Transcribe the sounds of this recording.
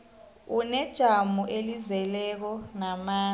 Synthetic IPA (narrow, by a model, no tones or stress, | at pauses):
unɛd̥ʒ̥ʱamuʔelizɛlɛk̬ɔnamaː